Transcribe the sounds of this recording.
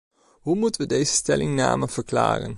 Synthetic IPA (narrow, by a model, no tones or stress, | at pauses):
ɦumutəʋədejzəstɛlɪŋna̰ːməv̥əɹkla̰ːrə̰n